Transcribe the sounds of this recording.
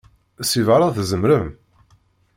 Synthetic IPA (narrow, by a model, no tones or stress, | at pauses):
sivaɾˤɑθzəmɾəm